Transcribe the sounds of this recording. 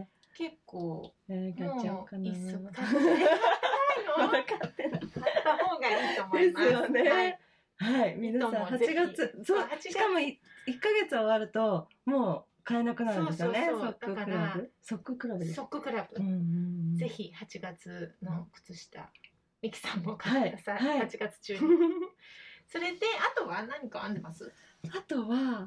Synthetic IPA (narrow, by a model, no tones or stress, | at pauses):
ke̞kːoː | ekakan | aɾakat̪ːenaoɡaiomd̪e̞sɨjo̞ne̞ | haimʲinasãhat͡ɕiɡat͡sɨsoːi̥kamo̞iikːaɡe̞t͡sɨoβaɾɯ̟t̪o̞ | mo̞ː | kaenakɯ̟naɾnd̪esjonesokːɯkɯɯɾaɯ̟so̞kːɯ̟kɯ̟ɾabɯ̟d̪esokːɯkɯ̟ɾabɯɯ̟̃ɯ̃ɴze̞çihat͡ɕiɡat͡sɨnokɯ̟̥t͡sɨɕi̥t̪a̰ | mʲikʲi̥sãŋɡokaaeiasahaiat͡ɕiɡat͡sɨ̥t͡ɕɨ | so̞ɾe̞d̪e̞at̪o̞βanãɲ̟ikaãnd̪emasɨ | at̪o̞βa